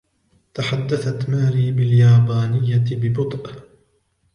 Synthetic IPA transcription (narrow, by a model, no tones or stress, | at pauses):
t̪aħad̪ːaθat̪maːɾiːbɪljaːbaːnɪjːabɪbʊt̪ˤʔ